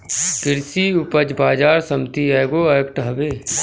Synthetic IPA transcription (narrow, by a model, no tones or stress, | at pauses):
kɪɾsiʊpəd͡ʒbaːd͡ʒaːɾsəmt̪iɛːɡoɐjəkʈɦɐbeː